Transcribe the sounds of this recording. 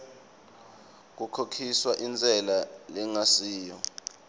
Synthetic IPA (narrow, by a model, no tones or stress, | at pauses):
k̬ukʰokʰiswaʔint͡sʼɛlalɛŋasiːjɔ